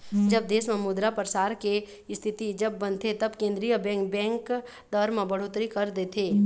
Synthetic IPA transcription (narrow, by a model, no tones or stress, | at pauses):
d͡ʒɐb̚d̪eːsmẽmʊd̪ɾapɾəsaːɾke | st̪ʰɪt̪id͡ʒɐbːɐ̃nt̪ʰet̪ɐbkẽːnd̪ɾijəbɛ̃ːŋk̚bɛ̃ːŋk | d̪ɐɾmãbɐɽ̤oːt̪ɾikɐɾd̪eːt̪ʰeː